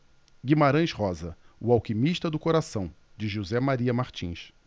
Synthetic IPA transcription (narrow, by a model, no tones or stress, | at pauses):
ɡimaɾɐ̃j̃ʃhɔzɐʊawkimiʃt̪ɐd̪ʊkoɾasɐ̃w̃ | d͡ʒɪʒuzɛmaɾiɐmaɾt͡ʃḭ̃ʃ